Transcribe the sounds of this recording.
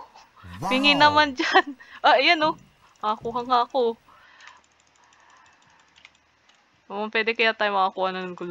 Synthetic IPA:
pɪŋɪnɐmand͡ʒanʔaʔjano | mɐʔɐkuːɦɐŋaʔɐko | mɐpwɛːd̪ɛkɐjat̪aːjomɐʔakuːhɐnɐnɐŋɡʊl

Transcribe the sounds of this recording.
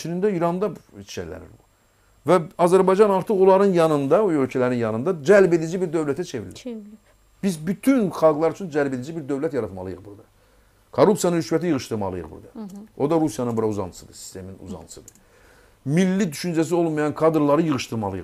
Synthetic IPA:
t͡ʃʰinind̪æiɾɑnd̪ɑt͡ʃʰʃæ̰læ̰nḭɾbṵ | væɑzæɾbɑjd͡ʒɑnɑɾt̪ʰɯqo̞lˠɑɾɯnjɑnɯnd̪ɑuø̞lcʰælæɾinjɑnɯnd̪ɑd͡ʒælbe̞d̪id͡ʒibiɾd̪ø̞vlæt̪ʰæt͡ʃʰe̞viɾli | b̥izbyt̪ʰynχɑlˠɡlˠɑɾyt͡ʃʰynd͡ʒælbe̞d̪id͡ʒibiɾd̪ø̞vlæt̪jɑɾɑt̪mɑ̰lˠɯ̰jɯ̰ʁbuɾd̪ɯ | kʰorːupsijɑnɯnhyʃvæt̪ijɯʁɯʃt̪ɯɾmɑ̰lˠɯjɯ̰χbṵɾd̪ɯo̞d̪ɑɾusjɑnɯnbuɾɑuzɑ̰nʰɯ̥sɯd̪ɯsi̥st̪ʰe̞minṵzɑ̰nt̪ʰɯ̥sɯ̰d̪ɯ | milːid̪yʃynd͡ʒæs̬io̞lˠmɑjɑnkʰɑd̪ɾlˠɑɾɯjɯʁɯʃt̪ɯɾmɑ̰lˠɯjɯ̰

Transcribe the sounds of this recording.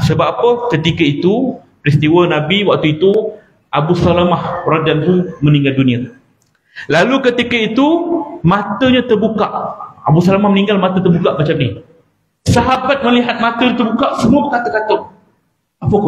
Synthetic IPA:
səbapːapəkət̪ikəit̪u | pɾist̪iwənãbiwak̚t̪uit̪u | abusalamahpɾad͡ʒant̪umə̃nĩŋɡaldunĩa | lalukət̪ikəit̪umãt̪əɲat̪ərbukaʔa̰busalamahmənĩŋɡalmat̪ət̪ərbukaʔmat͡ʃamni | saɦabat̪̚məliɦat̪̚mãt̪əɲat̪ərbukaʔsəmuəbəkat̪əkat̪ʊʔ | apə

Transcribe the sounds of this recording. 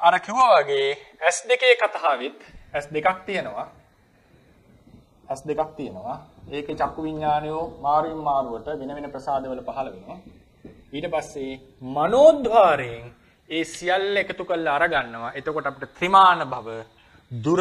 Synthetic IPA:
aɾəkiʋəʋaɡeːæsd̪ekeːkat̪aɦaʋit̪æsd̪ekak̚t̪ijənəʋa | æsd̪ekak̚t̪ijənəʋaeːkət͡ʃakːuʋiɲːaːnejomaːɾujimːaːɾuəʈəʋenəʋenəprəsaːd̪eʋələpaɦɐlɐʋenoʋa | iːʈəpasːe | manoːd̪ʋaːɾejeŋ | eːsijalːekət̪ukəlːɐːɾaɡanːəʋaʔet̪okoʈəapiʈət̪rimaːnəbʱaʋə | d̪uɾ

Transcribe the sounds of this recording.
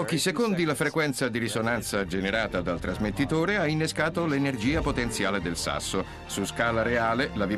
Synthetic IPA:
ɔːk̟isekond̪ilafɾekwɛnt̪sad̪iɾisonant̪sad͡ʒeneɾaːt̪ad̪alt̪ɾazmet̪ːit̪oːɾeainːeskaːt̪olenerd͡ʒiːapot̪ent̪sjaːled̪elsa̰sːo | suskaːlaɾeaːlelavi

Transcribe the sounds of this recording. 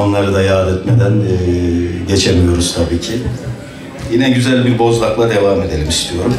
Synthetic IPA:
o̞nlˠaɾɯd̪ajaːd̪ɛt̪me̞d̪ænːɟe̞t͡ʃʰemijo̞ɾuz̥t̪ʰabiːcʰi | jinɛɟyzælʲbiɾbo̞zlˠaklˠad̪e̞vaːme̞d̪e̞lʲimist̪ʰijo̞ɾum

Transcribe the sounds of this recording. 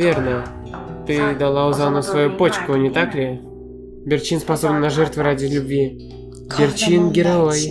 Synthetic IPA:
vʲernə | t̪ɨd̪alˠauzanosvajupot͡ɕkʊnʲɪt̪aklʲɪ | bʲɪrt͡ɕinspasobnnaʐɛrt̪vɨɾadʲɪlʲubʲvʲi | ɡʲɪrt͡ɕinɡʲɪɾaoj

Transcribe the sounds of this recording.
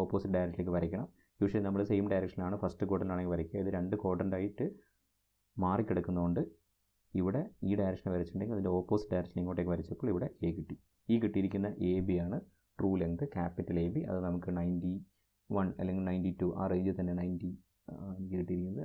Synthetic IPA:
o̞ːpːo̞ːsiʈ̚ɖɐjɾɐk̚ʈːilekːɨpɐɾɐkʲːɐɳɐm | juːʂɐnɐmːɐɭɨsejmɖɐjɾɐkʂɐnaːɳɨfɐstɨko̞ːʈːɐnɖaːɳeŋːɡɨpɐɾɐkʲːuɐiðɨɾe̞ɳɖɨko̞ːʈːɐnɖaːjiʈːɨ | maːrikʲːiɽɐkːunːɐkoɳɖɨ | iʋiɽe̞iːɖajɾɐkʂɐnʋɐɾɐt͡ɕːʈuɳɖeŋɡilɐðindeo̞ːpːo̞ːsi̥ʈ̚ɖɐjɾɐk̚ʂɐniŋːoʈːekːepɐɾɐt͡ɕːɐpːoːɭiʋiɽe̞ʔeːkiʈːi | iːkiʈːijiɾikʲːunːɐʔe̞ːbijaːɳɨ | ʈruːleŋt̪ɨkaːpːitːɐleːbiɐ̰ðɨnɐmukːɨnɐjndi | ʋɐnɐ̰lːeŋɡilnɐjnditːuʔa̰ːreːɲd͡ʑɨlt̪ɐnːe̞nɐjndi | aːnikːɨkiʈːijiɾikʲːunːɐðɨ

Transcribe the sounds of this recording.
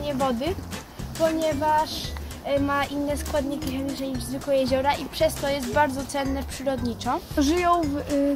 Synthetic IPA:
ɲɛvɔd̪ɘ | pɔɲɛvaʂ | maʔinːɛskwad̪ɲikʲixɛmʲit͡ʂɛɲiʐzvɘklɔjɛʑɔɾaʔipʂɛst̪ɔjɛs̬t̪baɾd̪zɔt̪sɛnːɛpʂɘɾɔd̪ɲit͡ʂɔʐɘjɔ̃w̃v

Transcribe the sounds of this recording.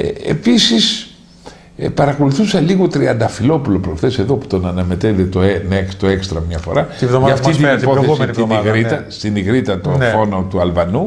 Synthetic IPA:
eḛpisis | pɐɾɐko̞luθusɐliɣo̞t̪ɾiɐnd̪ɐfilo̞pulo̞pɾoθe̞se̞ðo̞pu̥t̪o̞nɐnɐme̞t̪et̪et̪oenekst̪oe̞kst̪ɾɐmɲɐfo̞̰ɾɐt̪ivðoɐft̪it̪inipo̞θessiniɣɾit̪ɐst̪iniɣɾit̪ɐt̪onffo̞not̪uɐlvɐnu

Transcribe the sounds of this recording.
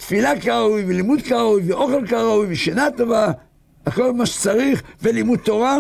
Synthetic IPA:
t̪filakaʁaujvelimud̪kaʁaujveo̞χelkaʁaujveʃenat̪ova | ako̞lmaʃe̥t͡saʁiχvelimud̪̚t̪o̞ʁa

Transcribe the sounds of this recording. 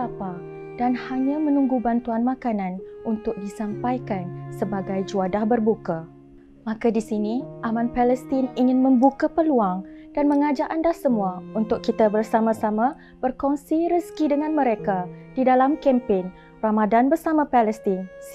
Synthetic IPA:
apa | danhaɲãmənũŋɡubant̪uanmãkanãnunt̪ʊk̚disampajkansəbaɡajd͡ʒuadahbərbuka | mãkadisiniʔamãnpaləst̪iniŋɪnməmbukapəluaŋd̥anməŋad͡ʒaʔandahsəmuaunt̪ʊkːit̪abərsamãsamã | b̥ərkɔnsiɾəskidəŋãnmə̃ɾekadidalamkɛmpen | ramadanbərsamãpalɛst̪in

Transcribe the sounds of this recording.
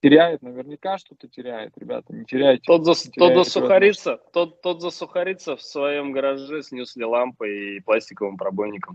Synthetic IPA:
tʲɪɾʲæjɪt̪nəvʲɪrnʲɪkaʂt̪ot̪ətʲɪɾʲæjɪ̰t̪ɾʲɪbʲa̰t̪ənʲɪtʲɪɾʲæjɪt̪̚ʲːt̪ot̪zəsʲot̪zəsʊxɐɾʲit̪sət̪ot̪ːot̪zəsʊxɐɾʲit̪səfsvɐjo̞mɡəɾɐʐɛsʲnʲuslʲɪlˠampɨiplˠasʲtʲɪkəvɨmpɾɐbo̞jnʲɪkəm

